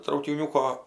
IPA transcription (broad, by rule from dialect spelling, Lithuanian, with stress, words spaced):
trɐʊkʲɪˈnʲuːkoː